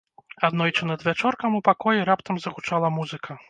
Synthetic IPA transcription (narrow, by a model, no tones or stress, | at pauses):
ad̪nɔjt͡ʂɨnɐd̪vʲat͡ʂɔrkɐmupakɔjɛɾapt̪ɐmzɐɣut͡ʂalˠɐmuzɨkʰɐ